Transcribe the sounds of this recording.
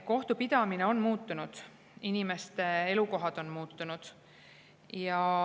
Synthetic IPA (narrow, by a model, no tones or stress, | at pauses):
ko̞ht̪upid̪̥ɑmineo̞nmuːt̪ːˑunud̪̥ | inime̞st̪e̞e̞luko̞ɦɑd̪̥o̞nmuːt̪ˑːunud̪̥ | jɑ